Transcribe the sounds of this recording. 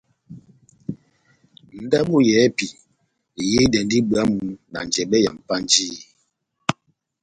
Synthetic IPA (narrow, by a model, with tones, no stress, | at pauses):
n̩˦da˦bu˦˨jɛ˨˦pi˨ | je˦dɛ˨ndi˦bɰa˦mu˨˦na̰˨n˨d͡ʒɛ˨bɛ˦ja̰˨m˨pa˦n˦d͡ʒiː˦